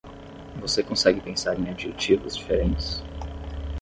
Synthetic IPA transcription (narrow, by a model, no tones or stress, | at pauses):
vosekõsɛɡɪpẽsaɾẽj̃ad͡ʒiʒekt͡ʃivʊ̰zd͡ʒifeɾẽnt͡ʃɪ̥s